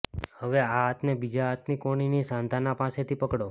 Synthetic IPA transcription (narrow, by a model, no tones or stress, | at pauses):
həʋeaɦat̪nebid͡ʒaat̪nikoɽ̃inisãnt̪anapaset̪ʰipəkɽo